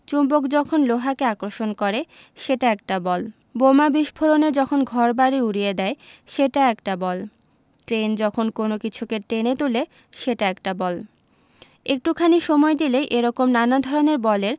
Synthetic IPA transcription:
t͡ɕumbokd͡ʑɔkʰonloɦakeakɾoʃonkɔɾe | ʃeʈaɛk̚ʈabɔl | bomabiʃbʱoɾoned͡ʑɔkʰonɡʱɔɾbaɾiuɽied̪ɛeʃeʈaɛkʈabɔl | ʈɾend͡ʑɔkʰonkonokit͡ɕʰukeʈenet̪ule | ʃeʈaɛkʈabɔl | ek̚ʈukʰaniʃɔmɔed̪ileʔeɾɔkomnanad̪ʱɔɾoneɾbɔleɾ

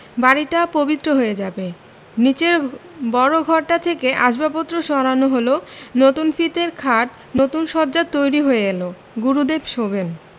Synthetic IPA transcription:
baɾiʈapobit̪ːɾoɦoed͡ʑabe | nit͡ɕeɾbɔɾoɡʱɔɾʈat̪ʰekeʔaʃbapot̪ːɾoʃɔɾanoɦolonot̪unfit̪eɾkʰaʈ | not̪unʃɔɾd͡ʑat̪ːojɾiɦoeelo | ɡuɾud̪ebʃoben

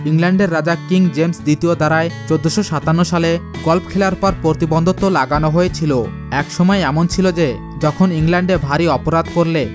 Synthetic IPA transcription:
iŋlɛɳɖeɾːad͡ʑakiŋd͡ʑemsd̪it̪iod̪aɾaet͡ɕod̪ːoʃoʃat̪anːoʃaleɡɔlpkʰelaɾpɔɾpɾot̪ibond̪ʱot̪ːolaɡanoɦoet͡ɕʰilo | ɛkʃɔmɔeɛmont͡ɕʰilod͡ʑe | d͡ʑɔkʰoniŋlɛɳɖeɾbʱaɾiɔpoɾad̪koɾle

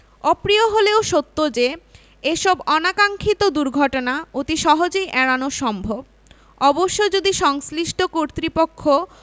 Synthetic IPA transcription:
ɔpɾioɦoleoʃot̪ːod͡ʑe | eʃɔbɔnakaŋkʰit̪od̪uɾɡʱɔʈonaot̪iʃɔɦod͡ʑejʔɛɽanoʃɔmbʱob | ɔboʃːod͡ʑod̪iʃɔŋsliʃʈʰokoɾt̪ɾipokʰːo

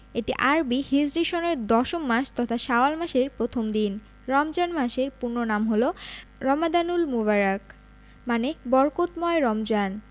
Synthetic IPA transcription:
eʈiʔaɾbihid͡ʑɾiʃoneɾd̪ɔʃomːaʃt̪ɔt̪ʰaʃaoalmaʃeɾpɾot̪ʰomd̪in | ɾɔmd͡ʑanmaʃeɾpuɾnːonamɦoloɾɔmad̪anulmuβaɾak | manebɔɾkot̪mɔeɾɔmd͡ʑan

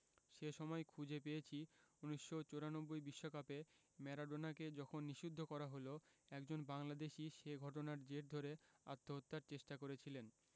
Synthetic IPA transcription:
ʃeʃɔmɔekʰud͡ʑʱepejet͡ɕʰiuniʃːot͡ɕoɾanobːojbiʃːokape | mɛɾaɖonaked͡ʑɔkʰonːiʃud̪ʱːokɔɾaɦoloɛkd͡ʑonbaŋlad̪eʃiʃeɡʱɔʈ̬onaɾd͡ʑeɾd̪ʱoɾea̰t̪ʰːoɦot̪ːaɾt͡ɕeʃʈakoɾet͡ɕʰilen

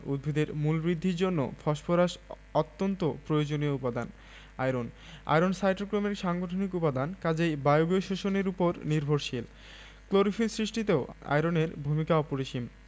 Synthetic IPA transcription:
ṵd̪̚bʱid̪eɾmulbɾid̪ʱːiɾd͡ʑonːo̰fʰɔʃpoɾaʃ | ɔt̪ːont̪opɾojod͡ʑonioupad̪an | a̰jɾon | a̰jɾonsajʈɾokɾomeɾʃaŋɡoʈʰonikupad̪ankad͡ʑejbajobioʃoʃoneɾupoɾniɾbʱoɾʃil | kloɾifilsɾiʃʈit̪eoa̰jɾoneɾbʱumikaɔpoɾiʃim

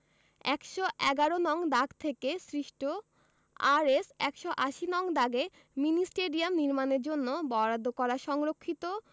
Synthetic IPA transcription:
ɛ̰kʃoʔɛɡaɾonɔŋd̪aɡt̪ʰekesɾiʃʈo | a̰ɾesɛkʃoʔaʃinɔŋd̪aɡe | minisʈeɖiamniɾmaneɾd͡ʑonːobɔɾad̪ʱːokɔɾaʃɔŋɾokʰːit̪o

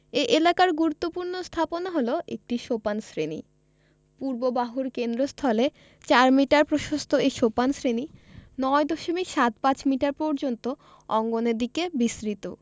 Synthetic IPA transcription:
eʔelakaɾɡuɾut̪ːopuɾnost̪ʰaponaɦoloʔḛk̚ʈiʃopansɾenḭ | puɾbobaɦuɾkend̪ɾost̪ʰɔle | t͡ɕaɾmiʈaɾpɾoʃost̪ʰoeʃopansɾeninɔed̪oʃomikʃat̪̚pat͡ɕmiʈaɾpɔɾd͡ʑont̪o | ɔŋɡoneɾd̪ikebisɾit̪o

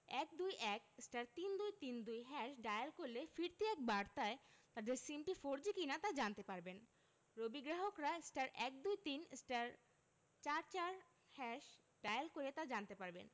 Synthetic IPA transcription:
ɛk̚d̪ujʔɛkesʈaɾt̪ind̪ujt̪ind̪ujɦɛʃɖajalkoɾlefiɾt̪iɛk̚baɽt̪aet̪ad̪eɾsimʈifoɾd͡ʑikinat̪ad͡ʑant̪epaɾben | ɾobiɡɾaɦokɾaesʈaɾʔɛk̚d̪ujt̪inesʈaɾ | t͡ɕaɾt͡ɕaɾ | hɛʃ | ɖ̥ajalkoɾet̪ad͡ʑant̪epaɾbḛn

